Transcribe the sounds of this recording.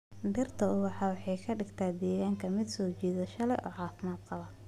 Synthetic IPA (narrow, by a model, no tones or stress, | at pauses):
d̪ɪrt̪ʰɐʊwɑħɑːwħɑjkʰɐɖɪɡt̪ʰaːd̪ɛːɣaːŋkʰɐmɪd̪sɔːt͡ʃiːðɐʃɐlɛjʔɔ̰ːʕɑːfɪmaːd̪̚qɑβɐ